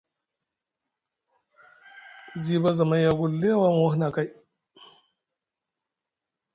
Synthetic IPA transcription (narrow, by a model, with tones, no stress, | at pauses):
ziː˦ba˦zɐ˨ma˦jja˦ɡʊ˦lːe˦a˦waː˦m˨wa˦hna˨ka˦j